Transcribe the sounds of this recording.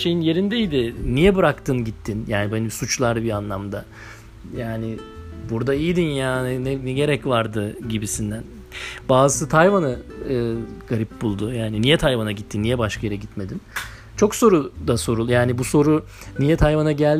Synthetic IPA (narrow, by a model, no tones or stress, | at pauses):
ʃe̞jinje̞ɾind̪ɛijd̪ɪnijɛbɯɾakt̪ʰɯnɟit̪ʰːinjaːnibenibsut͡ʃlˠaɾbianlˠamd̪a | jaːnɪbuɾd̪aijd̪injaːninɛnɛɟe̞ɾɛcvaɾd̪ɯɟibisind̪æn | baːzɯsɯt̪ʰajvanɯɯːɡaɾip̚bulˠd̪ʊjaːninijɛt̪ʰajvanaɟit̪ʰːinːijɛbaʃkʰajeɾɛɟit̪me̞d̪in | t͡ʃʰo̞kso̞ɾud̪aso̞ɾulˠjaːnibuso̞ɾu | nijɛt̪ʰajvanaɟælʲ